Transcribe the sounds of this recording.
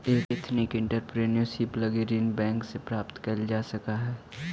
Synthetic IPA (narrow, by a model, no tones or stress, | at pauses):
eːktɪt̪ʰnɪkɪ̃ɳʈəɾpɾeːnjosiplɐɡeɾiːnbɛ̃ːŋksepɾaːpt̪kɐld͡ʒaːsɐkaɦɛː